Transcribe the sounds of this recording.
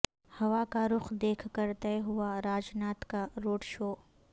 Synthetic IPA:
hɐʋakaɾʊxd̪eːkʰkəɾt̪ɛɦʊaɾaːd͡ʒnaːt̪kaɾoːɖʃoː

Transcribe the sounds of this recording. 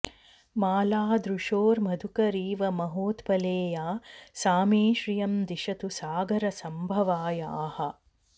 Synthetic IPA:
maːlaːd̪ɾuʂoːɾmɐd̪ʱukɐɾiːʋɐmɐɦoːt̪pɐleːjaːsaːmeːʃɾijɐmd̪iʃɐt̪usaːɡʱɐɾɐsɐmbʱɐʋaːja̰ːhɐ̆

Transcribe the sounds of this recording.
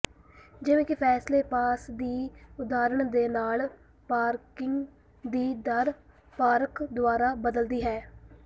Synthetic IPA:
d͡ʒɪʋẽːkɪpʰɛːsleːpaːsd̪iːʊd̪aːɾəɳd̪eːnaːl | paːɾkɪ̃ŋɡ | d̪iːd̪əɾ | paːɾəkd̪ʊaːɾaːbəd̪əld̪iːɦɛː

